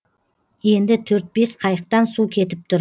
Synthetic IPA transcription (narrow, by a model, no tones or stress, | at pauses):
je̞nd̪ɪt̪ʰɵɾt̪̚be̞sqʰɑjəq̚t̪ɑnsukʲʰe̞t̪ɪp̚t̪ʰʊɾ